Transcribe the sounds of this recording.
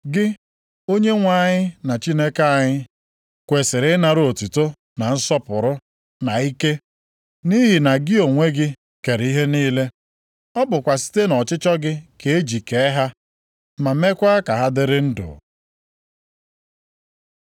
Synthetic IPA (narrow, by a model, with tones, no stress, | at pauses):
ɡɪ˦ | o˦ɲe˦ŋʷa˦ɲɪ˦na˨t͡ʃi˦ne˦ka˦a˨ɲɪ˦ | kʷe˨sɪ˨ɾɪ˦na˨ɾo˨tu˨to˦ | na˨n̩˦sɔ˦pʊ˨ɾʊ˦ | na˨i˦ke˦ | ni˦ɦi˨na˨ɡɪ˦o˨ŋʷe˦ɡɪ˦ | ke˨ɾi˦ɦe˦niː˦le˦ | ɔ˦bʊ˨kʷa˨si̥˦te˦nɔ˨t͡ʃɪ˦t͡ʃɔ˦ɡɪ˦ke˨e˦d͡ʒi˨ke˨e˦ɦa˦ | ma˨me˦kʷa˦a˦ka˨ɦa˦dɪ˦ɾɪ˦n̩˦dʊ̰˨